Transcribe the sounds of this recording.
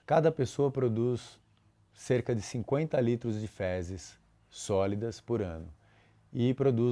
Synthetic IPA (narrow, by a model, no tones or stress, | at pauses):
kad̪ɐpesoɐpɾod̪usː | eɾkɐd͡ʒɪsĩŋkwẽnt̪ɐlit̪ɾʊzd͡ʒɪfɛzɪsː | ɔlid̪ɐspoɾɐ̃nʊ | ɪpɾod̪u